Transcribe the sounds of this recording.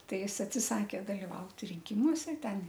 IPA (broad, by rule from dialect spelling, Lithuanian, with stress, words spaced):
ˈtɐɪ ˈjɪs ɐtʲsʲɪˈsɑːkʲeː dɐlʲɪˈʋɐʊt rʲɪŋʲˈkʲɪmuɔsʲɛ ˈtʲɛn